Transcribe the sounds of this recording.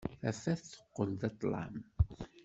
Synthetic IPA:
æfæθθə̥qːəlðɑt̪ˤlɑ̰m

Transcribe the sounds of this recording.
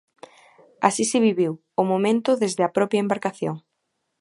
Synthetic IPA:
a̰sisɪβiβiw | ʊmomẽnt̪ʊðezðɪɐpɾɔpɾjaembaɾkaθjo̰ŋ

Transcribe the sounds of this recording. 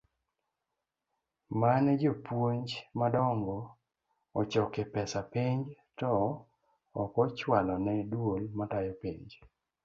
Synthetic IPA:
manɛd͡ʒopwoɲd͡ʒmadɔŋɡɔ | ɔt͡ʃɔkepɛsapiɲd͡ʒ | tɔ | ɔkɔt͡ʃwalɔnɛdwolmatajɔpiɲd͡ʒ

